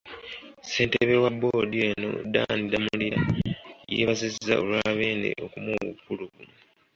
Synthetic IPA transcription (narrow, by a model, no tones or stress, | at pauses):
se̞ːnteβewabodieno̞̰danidamuliajḛβazizːa̰olwaːβeːndḛʔo̞kumuwṵpːuluβumu